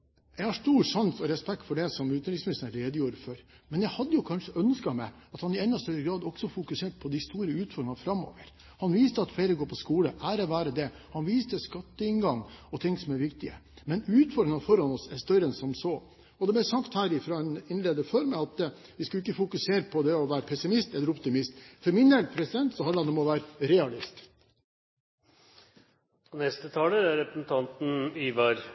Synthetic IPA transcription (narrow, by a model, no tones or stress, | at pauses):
jæɪhɑʂʈuːɾʂɑnsɔɾɛspɛk̚t̪fɔɖɛsɔmʉːt̪nɾɪŋsmɪnɪst̪nəɾeːd̪əjuːɾfɔɾmɛnjæɪhɑd̪ːəjʊkʰɑnʂəʔœnskɑmæɪ | ɑt̪hɑnɪɛnːɔst̪œɾəɡɾɑːd̪ɔksɔfʊkʉseːʈ̚pʰɔd̪ɪst̪uːɾəʉːt̪fɔɾɾɪŋfɾɑmːo̰ːʋəɾ | hɑnʋiːst̪əɑt̪fleːɾəɡoːɾpʰɔskuːləʔæːɾɔʋæːɾəd̪ɛ | hɑnʋiːst̪əskɑt̪ːəɪnɡɑŋːɔt̪ʰɪŋːsɔmæɾʋɪkt̪ɪə̰mɛnʉːt̪fɔɾɖ̪ɪŋɑfɔɾhɑnɔsɛʂt̪œɾənsɔmsɔː | ɔd̪ɛb̪æsɑkt̪hæːɾɪfɾɑːɛnɪnleːd̪əfɔɾmɛɑt̪ | ʋɪskʉlɪkːəfʊkʉseːɾəpʰɔd̪ɛɔʋæːɾəpʰɛsɪmɪst̪ɛlːəɾɔpt̪ɪmɪst̪fɔɾmɪnd̪ɛlpʰɾɛsɪd̪ɛnt̪sɔhɑnəɑnɔmɔʋæːɾəɾɛɑlɪst̪ | ɔnɛst̪ət̪ʰɑːləæɾɛpɾəsn̩t̪ʰɑnt̪n̩iʋɑɾ